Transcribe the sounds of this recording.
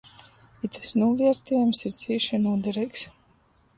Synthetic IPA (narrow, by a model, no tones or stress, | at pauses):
it̪ɨ̥snuɔviɛɾt̪ɛjumsiɾt̪siːʃinuɔd̪ɛɾɛjks